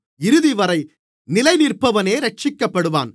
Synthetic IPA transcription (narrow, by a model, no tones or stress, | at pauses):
ɪɾɯðɪʋɐɾɐɪ | nɪlɐɪnɪɾpɐʋɐneːɾɐʈ̚t͡ʃɪkːɐpːɐɽɯʋa̰ːn